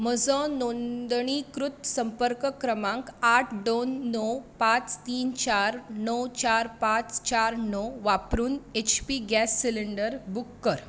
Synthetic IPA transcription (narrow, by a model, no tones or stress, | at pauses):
məd͡zɔ̃nond̪ɳ̃ikɾut̪səmpəɾkəkɾəmãŋkaʈʰɖonːɔwpãt͡st̪iːnt͡ɕaɾnɔwt͡ɕaɾpãt͡st͡ɕaɾnɔʋapɾuːnet͡ɕpiɡɛsːiliɳɖəɾbukːəɾ